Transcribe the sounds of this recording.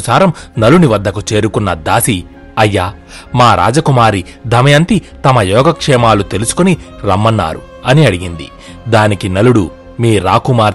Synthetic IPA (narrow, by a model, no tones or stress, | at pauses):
saːɾɐmnɐluniʋɐd̪ːɐkut͡ʃe̞ːɾukunːɐd̪aːsi | ɐjːaː | maːɾʔa̰ːd͡ʒɐkumaːɾi | d̪ʱɐmɐjɐnt̪i | t̪ɐmɐjɔːɡɐkʂɛːmaːlut̪e̞lusu̥koniɾɐmːɐnːa̰ːɾṵ | ɐniɐɽiɡind̪ḭ | d̪aːnikinɐluɽu | miːɾaːkumaːɾ